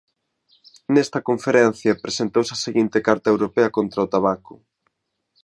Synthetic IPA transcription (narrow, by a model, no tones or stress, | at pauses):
nɛst̪ɐkoɱfeɾɛn̟θjɐpɾesent̪owsɐseɣint̪ekaɾt̪ɐewɾopɛɐkont̪ɾɐʊt̪aβakʊ